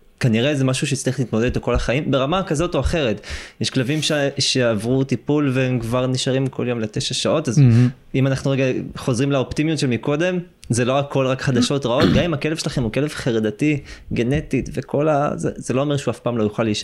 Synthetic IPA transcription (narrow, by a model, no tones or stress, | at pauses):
kaniʁezemaʃuʃejt͡sliilit̪mod̪edotokolaχaimbe̞ʁamakazo̞to̞aχe̞ʁet̪jeʃklavimʃeʃe̞avʁutipulveemkvaʁniʃaʁimkʰo̞ljo̞mle̞t̪eʃaʃao̞taz | imanaχnuʁeɡaχo̞zʁimlaopt̪imjut̪ʃelmiko̞d̪e̞m | zelo̞ʁakʰːo̞lʁakχad̪aʃo̞t̪ʁaot̪ɡamimakelvʃelaχemukelevχeʁed̪atiɡe̞ne̞t̪itvekʰo̞la̰zḛzelo̞ome̞ʁʃeuafpaːmlo̞juχaliːʃ